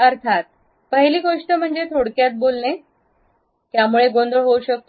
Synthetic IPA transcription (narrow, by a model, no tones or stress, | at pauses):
əɾt̪ʰat̪̚ | pəɦiliːɡoʂʈəm̤əɳd͡ʑet̪ʰoɽkjat̪̚bolne | t̪jamuɭeɡond̪əɭɦouɕək̚t̪o